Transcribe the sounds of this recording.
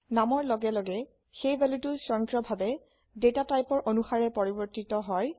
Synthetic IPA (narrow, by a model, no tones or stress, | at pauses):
namɔɹlɔɡɛlɔɡɛ | xejbɛlutʊsɹɔŋkɹɔbʱabɛ | detatajpɔɹʔonuxaɹɛpɔɹibɔɹtitɔɦɔj